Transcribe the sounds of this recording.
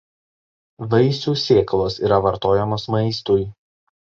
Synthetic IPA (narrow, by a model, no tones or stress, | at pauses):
ʋɐɪsʲuːsʲeːklˠoːsiːɾɐʋɐɾt̪oːjɛmoːsmɐɪst̪uj